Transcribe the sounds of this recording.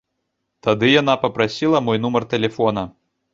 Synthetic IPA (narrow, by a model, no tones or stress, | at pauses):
t̪ad̪ɨjanapɐpɾasʲilˠɐmɔjnumɐrt̪ɛlʲɛfɔn̪ɐ